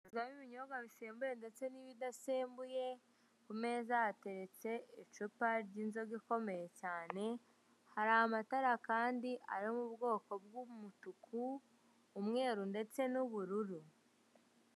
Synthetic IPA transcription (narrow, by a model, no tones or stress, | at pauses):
zɡaβiβiɲoɡaβiseːmbuje̞nde̞t͡se̞niβidaseːmbuje̞ | kume̞ːzaate̞ɾe̞t͡se̞it͡ʃupaɾɟiːnzo̞ɡiko̞me̞je̞caːne̞ | haɾahamataɾakaːndiʔa̰ɾiomubɡo̞ːko̞b̚ɡumutukʰuː | mŋe̞ːɾunde̞t͡se̞nuβuɾuɾu